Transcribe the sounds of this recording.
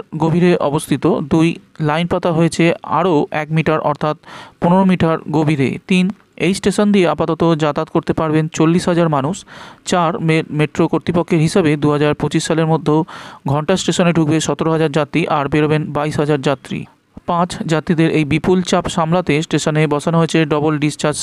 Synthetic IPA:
ɡobʱiɾeʔɔbost̪ʰit̪od̪ujlajnpat̪aɦoet͡ɕʰea̰ɾoʔɛkmiʈaɾɔ̰ɾt̪ʰat̪̚poneɾomiʈaɾɡobʱiɾḛt̪in | ejsʈeʃond̪ieapat̪ɔt̪od͡ʑat̪at̪koɾt̪epaɾbent͡ɕolːiʃɦad͡ʑaɾmanuʃt͡ɕaɾmeʈɾokoɾt̪ɾipokʰːeɾɦiʃabed̪uɦad͡ʑaɾpot͡ɕiʃʃaleɾmod̪ʱːoɡʱɔɳʈasʈeʃoneɖʱuk̚beʃɔt̪oɾoɦad͡ʑaɾd͡ʑat̪ːɾiʔaɾbeɾobenbaiʃɦad͡ʑaɾd͡ʑat̪ːɾḭ | pãt͡ɕd͡ʑat̪ːɾid̪eɾʔejbipult͡ɕapʃamlat̪esʈeʃonebɔt͡ɕʰanoɦoet͡ɕʰeɖɔbolɖisʈaɾd͡ʑ

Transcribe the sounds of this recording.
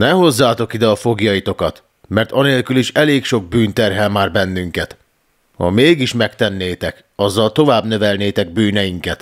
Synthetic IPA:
nɛɦo̞zːaːt̪o̞kid̪ɛɒfo̞ɡjɒjit̪o̞kɒt̪ | mɛrt̪ɒneːlkyliʃɛleːkʃo̞ɡ̚byːnt̪ɛrɦɛlmaːrbɛnːyŋkɛt̪ | hɒ̰meːɡiʃmɛkt̪ɛnːeːt̪ɛk | ɒzːɒlt̪o̞vaːbnø̞vɛlneːt̪ɛɡ̚byːnɛjiŋkɛt̪

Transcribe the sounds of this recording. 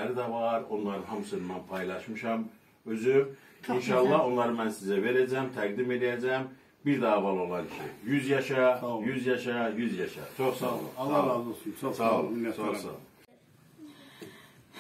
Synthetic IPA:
æɾid̪ævɑɾo̞nlˠɑɾɯnhɑmsɯnɯmɑnpʰɑjlˠɑʃmɯʃɑm | øzy | inʃɑlˠːɑɦo̞nlˠɑɾɯmænsizæve̞ɾæd͡ʒæmt̪ʰæɡd̪ime̞lijæd͡ʒæm | biɾd̪ɑːvɑlˠo̞lˠɑncʰḭjyzjɑʃɑjyzjɑʃɑjyzjɑʃɑ̰t͡ʃʰo̞χsɑ̰lˠɯ̰ | osɑlˠt͡ʃʰoxsɑ̰lˠɯ

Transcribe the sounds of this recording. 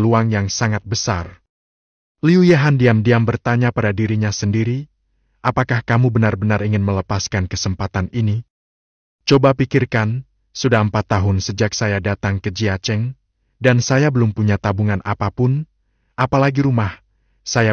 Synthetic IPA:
luaŋjaŋsaŋat̪̚bəsar | liujaɦandiamdiambərt̪aɲapadadiɾiɲasəndiɾi | ʔapakahkamubənarbənariŋɪnmələpaskankəsəmpat̪anini | t͡ʃobapikirkan | sudahəmpat̪ːaɦʊnsəd͡ʒak̚sajadat̪aŋkəd͡ʒiat͡ʃɛŋ | dansajabəlʊmpuɲat̪abuŋanʔa̰papʊn | ʔapalaɡiɾumah | saja

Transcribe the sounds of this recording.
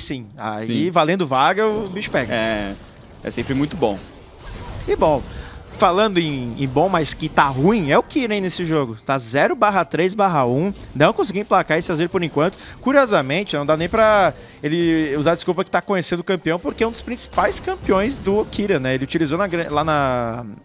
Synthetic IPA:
sĩa̰sivalẽnd̪ʊvaɡɐʊbiʃʊ̥pɛɡɛɛ | ɛ̰sẽmpɾɪmũj̃t̪ʊbõ̰ | ɪbõw̃falɐ̃nd̪ʊẽẽbõmajskɪt̪aɦũĩɛʊkiɾɐĩnesɪʒoɡʊt̪azɛɾʊbaɦɐt̪ɾejzbaɦɐũd̪ɐ̃w̃kõsiɡiẽplakaesɪazeɾʊpoɾẽkwɐ̃nt̪ʊ̥kuɾiɔzɐmẽt͡ʃɪnɐ̃w̃d̪anẽj̃pɾɐ | elɪuzaɐd͡ʒɪskupɐkɪt̪akõɲesẽnd̪ʊkɐ̃mpiɐ̃w̃pʊɾkɛũd̪ʊspɾĩsi̥pajskɐ̃mpiõj̃zd̪ʊkʰiɾɐnɛelɪʊt͡ʃilizonɐɡɾɐ̃lanɐ

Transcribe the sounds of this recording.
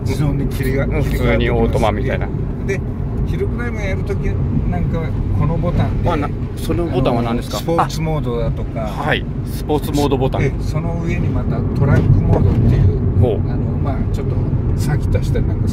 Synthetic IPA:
d͡ʑid͡ʑoɲːikʲʰiɾʲiɡafɯ̥t͡sɨːɲ̟io̞ːt̪omamʲit̪aina̰ | d̪e | çiɾɯkɯɾaimɯjaɾɯ̟t̪okʲinãŋkako̞no̞bo̞t̪ãndd̪mana | sonobo̞t̪ãβanãnd̪esɨ̥kaposɨmo̞ːd̪o̞d̪at̪o̞kahaḭ | sɨ̥po̞ːt͡sɨmo̞ːd̪o̞bo̞t̪ãso̞no̞ɯ̟e̞ɲ̟imat̪at̪o̞ɾakːɯ̟moːd̪ot̪ːe̞jɯ̟ːhoːanomaːt͡ɕo̞t̪ːosakʲi̥t̪aɕi̥t̪aɾnãnk̪es

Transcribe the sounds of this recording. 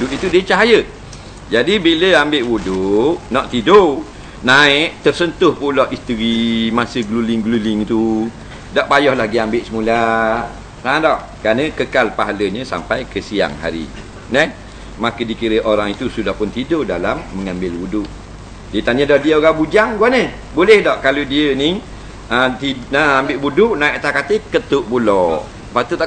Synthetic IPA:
dʊʔ̪it̪udət͡ʃaɦajə | d͡ʒadibiləambɪʔwudʊʔnɔʔt̪ido | naɪʔt̪ərsənt̪ʊhpulɔʔist̪əɾimasəɡlulɪŋɡlulɪŋt̪u | daʔpajɔhlahɡiambɪʔsəmula | ãdɔʔ | kɾanə̃kəkalpaɦaləɲə̃sa̰mpajkəsia̰ŋɦa̰ɾḭ | nəh | makədikiɾəʔoɾaŋit̪usudahpʊnt̪idodalamːəŋambɪlbudʊʔ | dit̪aɲədɔʔdiəoɡabud͡ʒaŋɡuanə | bolɛhdɔʔkaludiəni | ət̪inəambɪʔbudʊʔnaiʔt̪akat̪əkət̪ʊʔpulɔ | pat̪ut̪

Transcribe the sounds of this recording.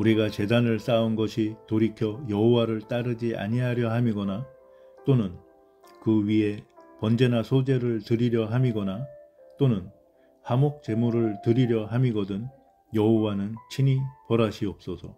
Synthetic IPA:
uɾiɡat͡ɕe̞danɯɭs͈aɯnɡʌɕʰitoɾikʰjʌjʌɦowaɾɯɭt͈aɾɯd͡ʑiʔa̰ɲiɦaɾjʌɦamiɡʌna | t͈onɯn | kɯɥiɦe̞pʌnd͡ʑe̞nasʰod͡ʑe̞ɾɯɭtɯɾiɾjʌɦamiɡʌnat͈onɯn | hamok̚t͡ɕe̞muɾɯɭtɯɾiɾjʌɦamiɡʌdɯn | jʌɦowanɯnt͡ɕʰiɲipʌɾaɕʰiʌp̚s͈ʌsʰʌ̰

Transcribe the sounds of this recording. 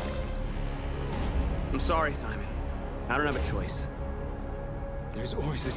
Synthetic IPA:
ãɪ̃msɑɹisaɪ̃mɨ̃n | aɪɾõʊ̃nɨvɨt͡ʃʰɔɪs | ðə˞ɨzɔlˠwizɨ

